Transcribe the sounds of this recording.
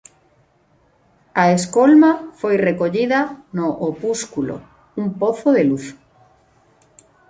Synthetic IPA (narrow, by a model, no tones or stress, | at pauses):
aeskolmafojrekoʎiðɐnoʔopuskulo̰ | umpoθoðeluθ